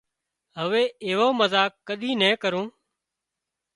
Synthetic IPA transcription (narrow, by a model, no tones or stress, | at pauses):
ɦəʋeːɪʋoːməzaːkːəɗĩːnɛ̃ːkəɾũː